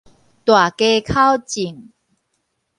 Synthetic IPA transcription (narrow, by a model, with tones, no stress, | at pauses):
t̪wa˨˩ke˧kʰa˦wt͡ɕi˨˩ŋ